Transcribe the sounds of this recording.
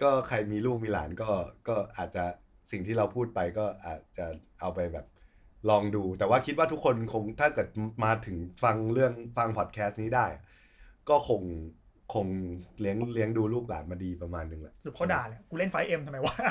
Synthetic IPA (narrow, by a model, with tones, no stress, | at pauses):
kɔː˥˩kʰa˧jmiː˧luː˥˩k̚miː˧la̰ː˩˦nkɔː˥˩kɔː˥˩ʔaː˨˩t̪̚t͡ɕa˨˩ | si˨˩ŋt̪ʰiː˥˩ɾa˧wpʰuː˥˩t̪̚pa˧jkɔː˥˩ʔaː˨˩t̪̚t͡ɕa˨˩ʔa˧wpa˧jbɛ̰ː˨˩p̚ | lɔː˧ŋduː˧t̪ɛː˨˩waː˥˩kʰi˦˥t̪̚waː˥˩t̪ʰu˦˥kʰːo˧nkʰo˧ŋt̪ʰaː˥˩kɤː˨˩t̪̚maː˧t̪ʰɯ˩˦ŋfa˧ŋlɯ˥˩əŋfa˧ŋpʰɔː˨˩t̪̚kʰɛː˦˥st̪̚niː˦˥daː˥˩jʔa̰˨˩ʔ | kɔː˥˩kʰo˧ŋ | kʰo˧ŋli˦˥əŋli˦˥əŋduː˧luː˥˩k̚la̰ː˩˦nmaː˧diː˧pɾa˧maː˧nːɯ˨˩ŋlɛ̰˦ʔsu˨˩kʰa˥˩daː˨˩a˨˩kuː˧le˥˩nfa˦˥jʔe˧mt̪ʰa˧ma˧jwaː˥˩˥